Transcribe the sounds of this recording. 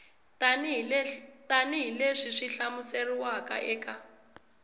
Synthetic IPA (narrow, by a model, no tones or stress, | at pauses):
n | taniɦileʂiʂiɬamuseriwaka̰ʔɛːka